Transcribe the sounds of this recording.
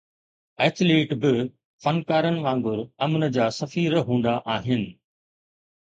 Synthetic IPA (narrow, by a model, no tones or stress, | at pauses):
ɛːtleːʈbɪ | fɐnkaːɾənɪ̆ʋãːŋɡʊɾɐmnəd͡ʑaːsɐfiːɾɦũːn̆d̪aʔaːɦɪnɪ̆